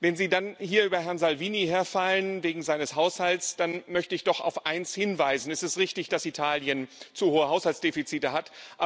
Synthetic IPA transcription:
vɛnziːdanhiːɐʔyːbɐɦɛɐnzalviːniheːɐfalənveːɡŋ̩zaɪnəshaʊshaltsd̥anmœçtəɪçd̥ɔχa̰ʊfʔaɪnshɪnvaɪzn̩ɛstɛstʁɪçtɪçd̥asitʰaːljənt͡suhoːəɦaʊshalsd̥eːfit͡siːtəhatʔa

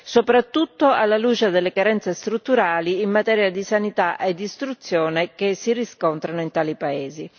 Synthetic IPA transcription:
sopɾat̪ːut̪ːoalːaluːt͡ʃed̪elːekaɾɛnt̪sest̪ɾut̪ːuɾaːliːmːat̪ɛːɾjad̪isanit̪aʔed̪ːist̪ɾut̪sːjɔːnek̟esːiriskɔnt̪ɾanoint̪aːlipaeːzi

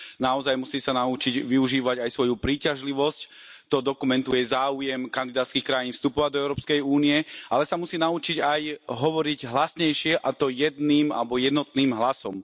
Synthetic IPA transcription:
naɔzajmusiːsanaut͡ʃiɟʋiuʒiːʋaɟajsʋɔjupɾiːcaʒliʋɔsc | t̪ɔd̪ɔkumɛnt̪ujɛzaːujɛmkand̪id̪aːt̪skiːxkɾajiːnfst̪upɔʋaɟd̪ɔɛʊɾɔːpskɛjuːniɛʔa̰lɛsamusiːnaut͡ʃiɟajɦɔʋɔɾiɟɦlasɲɛjʃɪɛʔat̪ɔjɛd̪niːma̰lɛbɔjɛd̪nɔt̪niːmɦlasɔm

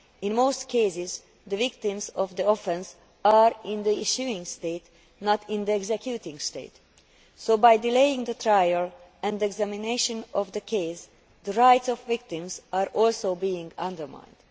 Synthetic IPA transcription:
ĩnmoːstkʰeɪsɪz | d̪əvɪk̚t̪ĩmzɔvd̪əɔfɛ̃ns | aɹɪ̃nd̪əiʃuɪ̃ŋɡst̪eɪt̪ | nɔt̪ɪ̃nd̪iɛɡzɛkʰjut̪ĩŋɡst̪ḛɪt̪ | soːbajdilejĩŋd̪ət̪ɹajəl | ɛ̃nd̪ɛɡzæmineɪʃə̃nɔvd̪əkʰeɪs | d̪əɹaɪtsɔvvɪk̚t̪ĩmzaːɾʔɔlsoːbiĩŋɡʌ̃nd̪əɹmã̰ɪ̃nd̥̪

